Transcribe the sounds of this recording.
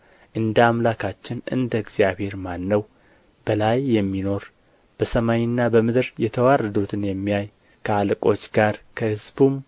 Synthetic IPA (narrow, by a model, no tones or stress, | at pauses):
ʔɨnd̪əamlakʰat͡ʃːɪnʔɨ̰nd̪əɡz̥jaβhe̞ɾmanːəw | b̥əlajːɛmːino̞ɾ | b̥əsəmaɲnːabəmɨd̪ɨɾjɛt̪ʰəwarːəd̪ut̪ʰɨnjɛmːijaj | kʰəalkʼo̞t͡ʃːɡaɾkʰəhɨzbum